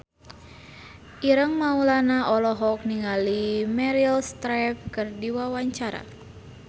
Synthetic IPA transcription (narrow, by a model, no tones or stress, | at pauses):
ʔiɾəŋmaulanaʔɔlɔɦɔk̚niŋalimɛɾilst̪ɾɛp̚kɨrdiwawaɲt͡ʃaɾa̰